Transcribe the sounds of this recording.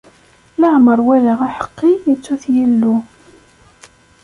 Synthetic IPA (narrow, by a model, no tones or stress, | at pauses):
ləʕməɾˤwælaʁaħə̥qːiit͡sːuθjilːu